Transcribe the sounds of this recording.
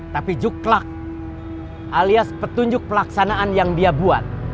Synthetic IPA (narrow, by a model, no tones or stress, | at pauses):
t̪apid͡ʒuklak̚ | ʔaliaspət̪uɲd͡ʒʊk̚pəlaksanaʔanjaŋdiabua̰t̪̚